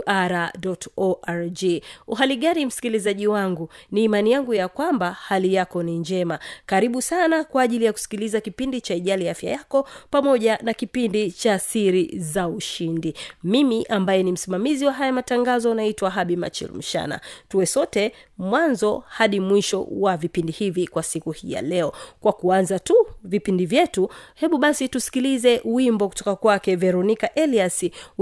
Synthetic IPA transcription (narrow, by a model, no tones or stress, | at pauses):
ʔaɾaɗɔtɔʔaɾd͡ʒiuɦaliɠanim̩si̥kilizaʄiwaŋɡuniːmanijaŋɡujakwambahalijakɔniɲd͡ʒɛmakaɾiɓusanakwaːʄilijaku̥si̥kilizakipindit͡ʃaiʄaliafja̰jakɔpamɔʄanakipindit͡ʃasiɾizauʃindimimiʔambajɛnim̩simamiziwaɦajamataŋɡazɔnaitwaɦaɓima̰t͡ʃḭlm̩ʃa̰na̰tuwɛsɔtɛmwanzɔhaɗimwiʃɔ̰wavipindihivikwasikuhija̰lɛɔkwakuanzatuvipindivjɛtuhɛɓuɓasitusi̥kilizɛʔuwimbɔku̥tɔkakwakɛvɛɾɔnikaʔɛliasi